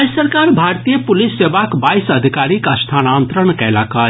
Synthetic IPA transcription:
jssəɾkaɾbʱaɾt̪ijepulisːebakbajsəd̪ʱikaɾikəst̪ʰanant̪ɾəɳkɛlakə

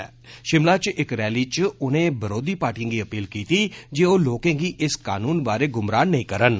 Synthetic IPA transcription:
ʃɪmlaːt͡ʃʔɪkɾɛːliːt͡ʃʊnẽːbəɾoːd̪iːpaːɾʈijə̃ːɡiːəpiːlkiːt̪iːd͡ʒeːoːloːkẽːɡiːʔɪska̰ːnuːnbaːɾeːɡʊmɾaːnːəĩːkəɾən

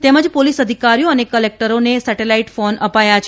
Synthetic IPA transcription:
t̪ɛməd͡ʒpolisəd̪ʱikaɾijoənekəlek̚ʈəɾonesɛʈelaiʈfonəpajat͡ʃʰ

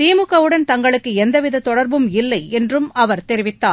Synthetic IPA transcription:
t̪iːmɯɣɐʋɯɽɐnt̪ɐŋɡɐɭɯkːɯɛnd̪ɐʋɪðɐt̪ːɔɽɐɾbɯmɪlːɐɪɛndrɯmɐʋɐɾt̪ɛɾɪʋɪt̪ːaː

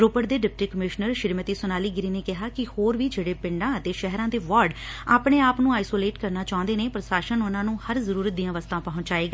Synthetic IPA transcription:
ɾoːpəʈd̪eːɖɪp̚ʈiːkəmɪʃnəɾʃɪɾmət̪iːsʊnaːliːɡɪɾiːneːkɪɦaːkɪhoːɾʋiːd͡ʒeːɽeːpɪ̃ɳɖãːət̪eːʃɛɦɾãːd̪eːʋaːɾɖaːpɽ̃eːaːpnũːaːisoːleːʈkəɾnaːt͡ʃaːʊ̃nd̪eːneːpɾəsaːʃənʊnãːnũːhəɾzəɾuːɾət̪̚d̪ĩːãːʋəst̪ãːpɔɦʊ̃ɲd͡ʒaːeːɡaː

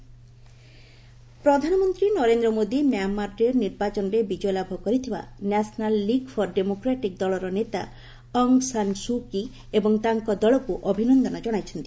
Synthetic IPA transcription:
pɾod̪ʱanɔmont̪ɾinɔɾend̪ɾɔmod̪imeamːaɾɾeɾniɾbat͡ɕɔnɾebid͡ʑɔjlabʱɔkoɾit̪ʰiwa̰nɛsnalːiɡfʰɔɾɖemokɾaʈik̚d̪ɔlɔɾonet̪a̰ | ɔŋsansuki | eboŋt̪aŋkɔd̪ɔɭokuʔɔbʱinɔnd̪ɔnad͡ʑɔɽ̃ajt͡ɕʰent̪i

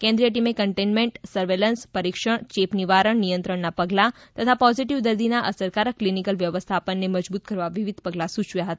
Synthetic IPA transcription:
kɛ̃nd̪ɾijəʈ̬imekəɳʈenmẽɳʈsəɾʋelənspəɾikʃəɳt͡ʃepniʋaɾəɳnijə̃nt̪ɾəɳnapəɡlat̪ət̪ʰapɔziʈiʋd̪əɾd̪inaʔəsəɾkaɾəklinikəlʋjəʋəst̪ʰapəɳːeməd͡ʒbut̪̚kəɾʋaʋiʋid̪ʱpəɡlasut͡ʃʋjaɦət̪a

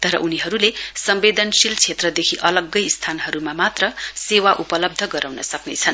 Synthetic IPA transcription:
t̪ʌɾʌʔuniɦʌɾulesʌmbed̪ʌnsilt͡sʰet̪rʌd̪ekʰiʔʌlʌɡːʌjst̪ʰanɦʌɾumamat̪rʌsewaʔupʌlʌb̚d̪ʱʌɡʌɾawnʌsʌknḛt͡sʰʌn

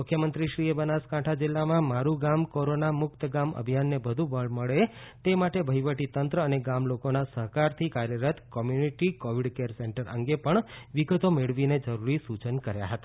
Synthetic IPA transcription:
mʊkʰjəmənt̪ɾiʃɾiebənaskãʈʰad͡ʒɪlːamãmaɾuɡamkoɾonamʊkt̪əɡamə̰bʱijanːebəd̪ʱũbəɭməɭet̪emaʈebʱəjʋəʈit̪ənt̪ɾəːneɡamlokonasəɦkaɾt̪ʰikaɾjəɾət̪kɔmjuniʈikoʋiɖkeɾseɳʈəɾə̰ŋɡepəɳʋiɡət̪omeɭʋined͡ʒəɾuɾisut͡ʃənkəɾja̰ɦət̪a

